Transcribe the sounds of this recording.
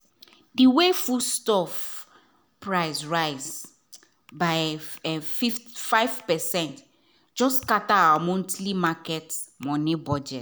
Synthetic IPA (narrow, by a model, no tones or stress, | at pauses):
diwefustɔf | pɹaɪzɹaɪz | baɪɛfiffaɪvpɛsɛ̃nt | d͡ʒɔskataawamɔ̃ntlimakɛtmɔ̃nibɔd͡ʒɛt